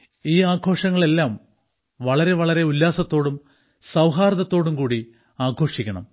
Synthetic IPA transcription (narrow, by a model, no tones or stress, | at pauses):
iːaːɡʰʱo̞ːʂɐŋːɐɭe̞lːaːm | ʋɐɭɐɾe̞ʋɐɭɐɾe̞ulːaːsɐt̪ːo̞ːɽum | sɐwɦaːɾɐðɐt̪ːo̞ːɽumkuːɽi | aːkʰo̞ːʂikʲːɐɳɐ̰m